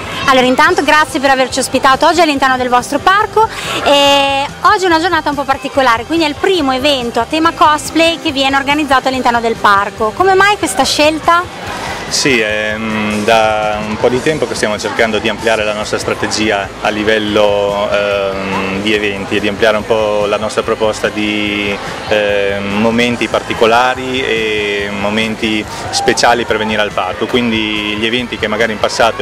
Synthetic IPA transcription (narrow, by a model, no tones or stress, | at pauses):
alːoːɾaint̪ant̪oɡɾat̪sːjep̬eɾavert͡ʃiospit̪aːt̪oɔd͡ʒːialːint̪ɛrnod̪elvɔst̪ɾoparkoɛɔd͡ʒːiunad͡ʒornaːt̪aump̬ɔpːart̪ikolaːɾekwind̪iɛilpɾiːmoevɛnt̪oat̪ːɛmakɔsplejkeviɛːneorɡanid̪zːaːt̪oalːint̪ɛrnod̪elparkokomemajkwest̪aʃelt̪a | siɛd̪aumpɔd̪it̪ɛmpokest̪jaːmot͡ʃerkand̪od̪iampljaːɾelanɔst̪ɾast̪ɾat̪ed͡ʒiːa | alːivɛlːo | d̪ievɛnt̪ied̪ːiampljaːɾeumpɔlanɔst̪ɾapɾopɔst̪ad̪i | mːoment̪ipart̪ikolaːɾiemoment̪i | spet͡ʃaːliperveniːɾealparkokwind̪iʎievɛnt̪ik̟emːaɡaːɾimpasːaːt̪o